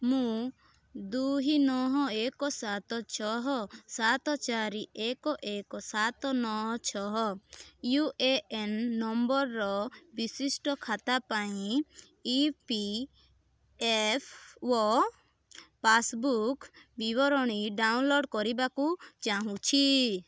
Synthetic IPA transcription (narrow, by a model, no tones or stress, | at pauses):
mũ | d̪uɦinɔɦɔekɔsat̪ɔt͡ʃʰɔɦɔsat̪ɔt͡ʃaɾiʔekɔʔekɔsat̪ɔnɔɦɔt͡ʃʰɔɦɔjueenːɔmbɔɾːɔbisisʈɔkʰat̪apaĩ | ipi | epʰwɔ | pasbukbibɔɾɔɽ̃iɖawnloɖkɔɾibakut͡ʃaɦũt͡ʃʰi